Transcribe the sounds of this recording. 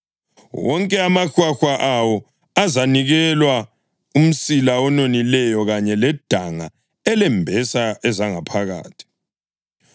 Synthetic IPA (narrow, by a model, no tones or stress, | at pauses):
wɔŋkʼɛamaxwaxwaʔawɔ | azaniɣɛlwa | um̩silaɔnonilɛjɔɣaɲɛlɛd̥ʱaŋa | ɛlɛmbʱɛsaɛzaŋapʰaɣa̰ːtʰi̥